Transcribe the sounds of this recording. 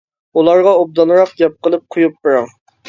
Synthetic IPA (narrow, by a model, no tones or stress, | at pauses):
ulˠɑɾʁɑob̚d̪ɑnˠɾɑqɡʲɛp̚qəlˠɨp̚qʰʊjup̚beɾɑŋ